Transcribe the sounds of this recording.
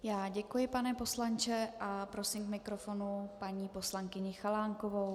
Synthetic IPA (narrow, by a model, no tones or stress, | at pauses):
jaːɟɛkujɪpanɛpo̞slant͡ʃɛʔapɾo̞simkmɪkɾo̞fo̞nupaɲiːpo̞slaŋkɪɲɪxalaːŋkovow